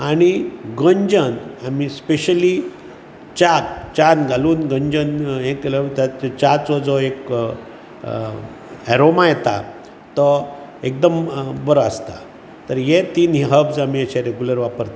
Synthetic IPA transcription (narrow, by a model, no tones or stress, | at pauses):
aɽ̃iɡə̃ɲd͡ʑənamispeɕəli | t͡ɕakt͡ɕanɡʱaluːnɡəɲd͡ʑəneklət̪at͡ɕat͡sɔd͡zɔek | ɛɾomajɛt̪a̰ | t̪ɔek̚d̪əmbəɾəast̪a | t̪əɾjet̪iːnɦiɦəbsamiəɕɛ̃ɾeɡjuləɾʋapəɾt̪a